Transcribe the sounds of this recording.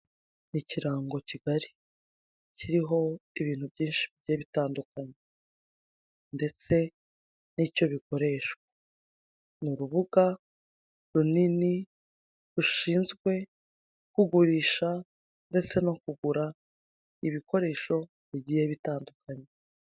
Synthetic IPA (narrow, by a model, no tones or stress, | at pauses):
niciɾaːŋɡo̞ciɡaɾi̥ | ciɾiɦo̞iβiːn̥huβɟiːnʃiβiɟiːjeβitaːndukaɲe | nde̞t͡se̞ | nico̞βiko̞ɾe̞ʃkwḁ | nuɾuβuɡa | ɾunini | ɾuʃiːnzɡwe̞ | kuɡuɾiːʃa | nde̞t͡se̞no̞kuɡuɾa | iβiko̞ɾe̞ːʃo̞ | βiɟiːjeβitaːndukʰaɲe